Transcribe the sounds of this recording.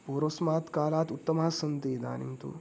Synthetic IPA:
poɾosmaːt̪kaːlaːt̪ut̪ːɐmaːsɐnt̪eːd̪a̰ːnimt̪ṵ

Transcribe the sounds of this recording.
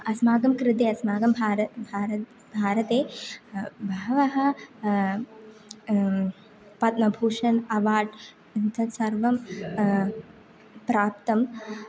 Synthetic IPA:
ɐsmaːɡɐmkɾɪt̪̬eːɐsmaːɡɐmbʱaːɾɐbʱaːɾɐ | bʱaːɾɐt̪eː | bʱɐɐʋɐɦɐ̆ | pɐt̪̚mɐbʱuːʂɐnɐʋaːɖ | int̪ʰɐsɐɾʋɐm | pɾaːp̚t̪ɐm

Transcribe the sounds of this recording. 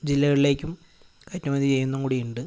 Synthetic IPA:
d͡ʑilːɐɣɐɭile̞ːkʲːum | kɐtːɐmɐnd̪it͡ɕe̞jːunːɐŋkuːɽijuɳɖɨ

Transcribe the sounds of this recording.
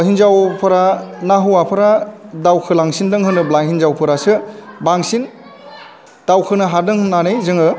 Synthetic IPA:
hinzawpʰɯɾanaɦuwapʰɯɾadawkʰɯlaŋsindɯŋɦɯnɯblajhinzawpʰɯɾasɯbaŋsin | d̥awkʰɯnɯɦadɯŋɯnanɯjzɯŋɯ

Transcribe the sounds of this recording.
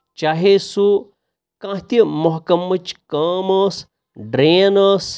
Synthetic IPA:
t͡ʃaːɦesu | kãːɦt̪imoɦkɐmːɐt͡ʃkɐːmɐːs | ɖɾeːnɐːs

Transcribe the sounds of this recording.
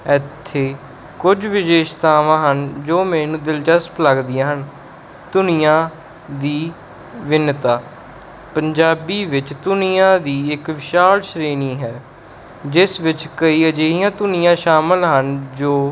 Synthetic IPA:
ɛt̪ʰːeː | kʊd͡ʒʋɪʃeːʃt̪aːʋãːɦənd͡ʒoːmɛːnũːd̪ɪlt͡ʃəspləɡd̪ɪjãːɦən | t̪ʊnijãː | d̪iː | ʋɪnt̪aː | pəɲd͡ʒaːbiːʋɪt͡ʃt̪ʊnijãːd̪iːɪkʋɪʃaːlʃɾeːniːɦɛː | d͡ʒɪsʋɪt͡ʃkəiːəd͡ʒeːijãːt̪ʊnɪjãːʃaːməlɦənd͡ʒoː

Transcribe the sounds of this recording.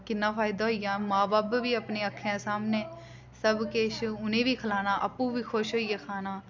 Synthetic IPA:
kɪnːãːpʰaːɪd̪aːɦoːijãːmãːbaːbʋiːəpneːəkʰːjãːsaːmneː | səbkeːʃʊnẽːʋiːkʰəlaːnaːʔəpːũːʋiːkʰoʃɦoːiːjaːkʰaːnaː

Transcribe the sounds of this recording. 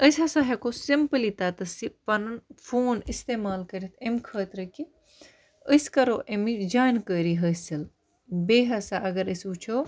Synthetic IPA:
əsɦɐsaɦekosimpəlit̪at̪ɐsipɐnɐnfʰoːnist̪eːmaːlkɐɾit̪ʰemkʰəːt̪ɾɐki | əskɐɾoːʔemid͡ʒaːjnkəːɾiɦɐsɐl | beːɦɐsaʔɐɡɐɾəsut͡ʃʰoː

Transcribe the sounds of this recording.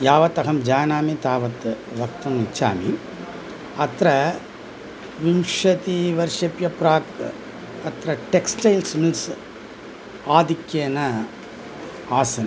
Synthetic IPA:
jaːʋɐt̪ɐɣɐmd͡ʒaːnaːmit̪aːʋɐt̪ːɨ | ʋɐk̚t̪ɐmit͡ʃːa̰ːmi | ɐt̪ɾɐ | ʋimʂɐt̪iʋɐɾʂɐpjɐpɾaːk | ɐt̪ɾɐʈeksʈɐjlsmils | aːd̪ikːjeːnɐ | aːsɐn

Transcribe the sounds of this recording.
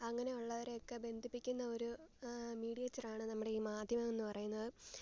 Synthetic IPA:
ɐŋːɐne̞uɭːɐʋɐɾe̞jo̞kːe̞be̞nd̪ʱipːikʲːunːɐo̞ɾumiːɽijɐt͡ɕːɐraːɳɨnɐmːuɽe̞iːmaːd̪ʱjɐmɐme̞nːɨpɐrɐjunːɐðɨ

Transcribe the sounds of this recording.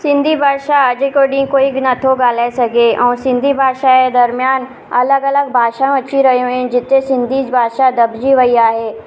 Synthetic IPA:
sɪ̃nd̪ʱibʱaːʃad͡ʒekoɖĩkoːiɡnət̪ʰoɡaːlesəkeʔɔːɾsɪ̃nd̪ʱibʱaːʃaked̪ɐɾmjaːn | ɐləɡələɡ̚bʱaːʃãəʃʰiɾɐɦeɦoẽd͡ʒɪt̪ːesɪ̃nd̪ʱid͡ʒbʱaːʃad̪ɐbd͡ʒiʋəijaːɦɛː

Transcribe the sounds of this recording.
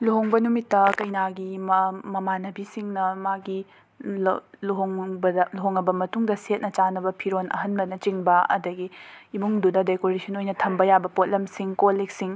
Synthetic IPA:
luɦoŋbɐnumitːɐkɐjnaɡimmɐmanɐbisiŋnɐmaɡi | luɦoŋbɐluɦoŋɐbɐmɐtuŋdɐset̚nɐt͡ʃanɐbɐpʰiɾonʔɐ̰ɦɐnbɐnɐt͡ʃiŋbɐɐ̰dɐɡiimuŋdudɐdekoɾisʰɐnojnɐtʰɐmbɐjabɐpot̚lɐmsiŋkolik̚siŋ

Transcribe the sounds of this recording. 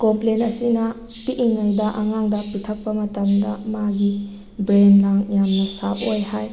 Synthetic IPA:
komplenɐsinɐ | piʔiŋajdɐʔɐŋaŋdɐpitʰɐk̚pɐmɐtɐmdɐmaɡi | bɾenlaŋjamnɐsaʔojhaj

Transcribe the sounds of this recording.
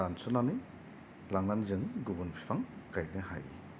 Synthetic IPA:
ansɔnanɯj | laŋnanzɯŋɡubunpʰi̥fʰaŋkajnɯha̰j

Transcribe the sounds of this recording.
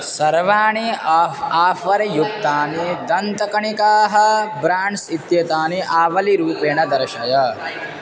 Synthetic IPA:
sɐɾʋaːɳiaːaːfɐɾɐjuk̚t̪aːnid̪ɐnt̪ɐkɐɳikaːɦɐ̆bɾaːɳɖsit̪jɐt̪aːniʔaːʋɐliɾuːpeːɳɐd̪ɐɾɐʃɐjɐ

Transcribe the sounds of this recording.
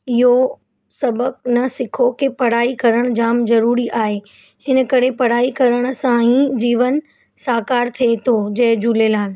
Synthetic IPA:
ɪɦo | sɐbʱək̚nɐsɪkʰokepɐɽ̤aːikɐɾəɽ̃d͡ʑaːmzɐɾuːɾiʔaːɦe | hɪn̆kɐɾepɐɽ̤aːikɐɾəɽ̃̆sãːĩd͡ʑiːʋən | saːkaːɾt̪ʰiet̪ʰod͡ʑɐɦɪd͡ʑulelaːl

